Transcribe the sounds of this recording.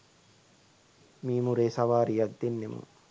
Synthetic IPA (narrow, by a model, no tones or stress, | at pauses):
miːmuɾeːsɐʋaːɾijɐd̪d̪enːemṵ